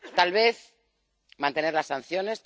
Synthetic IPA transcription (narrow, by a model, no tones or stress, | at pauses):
t̪alβ̞e̞θ | mãnt̪e̞ne̞ɾlasːanθjo̞ne̞st̪